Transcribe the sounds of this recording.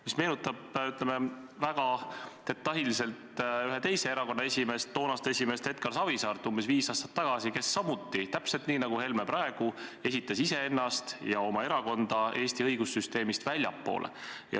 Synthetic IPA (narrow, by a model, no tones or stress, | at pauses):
misme̞ːnut̪ːˑɑb̚yt̪lemevæɡ̥ɑt̪e̞t̪ːˑɑɦilise̞lt̪yɦet̪e̞jse̞eɾɑko̞nːɑe̞sʲime̞st̪ːoːnɑst̪e̞simest̪he̞t̪̚kɑɾsɑvisɑːrt̪ːˑumbe̞sviːsɑːst̪ɑ̥t̪ːɑɡ̥ɑsike̞sːɑmut̪ˑːit̪æpse̞lt̪niːnɑɡ̥uhe̞lmepɾɑe̞ɡ̥ue̞sit̪ːˑɑsise̞e̞nːɑst̪jɑo̞mɑe̞ɾɑko̞nd̪̥ɑe̞ːst̪iɤjɡusːyst̪e̞ːmist̪vælʲjɑpːo̰ːlʔḛjɑ̰